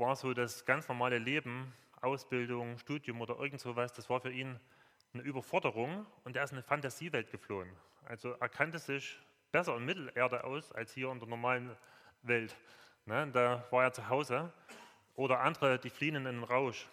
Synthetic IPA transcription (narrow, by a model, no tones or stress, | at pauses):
vaːɐzoːdasɡ̥ant͡snɔɐmaːləleːbm̩ | ʔaʊsb̥ɪldʊŋʃtuːdjʊmʔoːdɐʔɪ̰ɐɡŋ̩tz̥oːvasd̥asv̥aːɐfyːɐʔiːn | nəʔyːbɐfɔɐdəʁ̞ʊŋʔʊntd̥aːɐɪstnəfantaz̥iːvɛlt̚ɡ̥əfloːən | ʔa̰lzoʔeːɐkʰantəz̥ɪç | b̥ɛsɐɪnmɪtl̩ʔeːɐdəʔa̰ʊsa̰lshiːɐɪndeːɐnɔɐmaːlən | vɛlt | nəd̥aːvaːeːɐt͡suɦaʊzə | ʔoːɾɐʔandəʁəd̥iːfliːənnɪnenʁaʊʃ